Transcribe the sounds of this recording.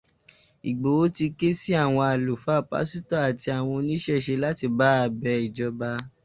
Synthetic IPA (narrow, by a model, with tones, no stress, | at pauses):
i˨ɡ͡bo˨o˨˦ti˧ke˦si˦a˦˨w̃ɔ̃˧a˨lu˨fa˨˦˨pa̰˦si˦ta˦a˨ti˧a˨w̃ɔ̃˧nĩ˦ʃɛ˦˨ʃe˧la˦ti˧ba˨˦a˧˨bɛ˧i˨d͡ʒɔ˧ba˧